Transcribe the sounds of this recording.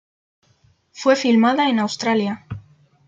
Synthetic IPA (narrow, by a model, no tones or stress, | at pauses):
fwe̞filmaðae̞nawst̪ɾalja